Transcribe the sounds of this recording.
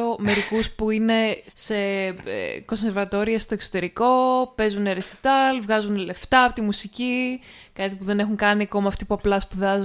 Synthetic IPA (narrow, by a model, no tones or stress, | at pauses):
ome̞ɾikuspuine̞se̞̰ | ko̞nse̞ɾvɐt̪o̞ɾiɐst̪oekso̞t̪e̞ɾiko̞pe̞zuneɾesi̥t̪ɐlvɣɐzunle̞ft̪ɐpo̞t̪imusici | kɐt̪ipuðe̞ne̞xuŋkɐniɐko̞mɐːft̪ipuɐplɐspuðɐzu